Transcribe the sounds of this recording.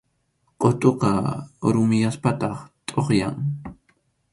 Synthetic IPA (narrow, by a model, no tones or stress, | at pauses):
qʼot̪ʼoqɑɾʊmɪjaspat̪ɑχt̪ʼoχja̰ŋ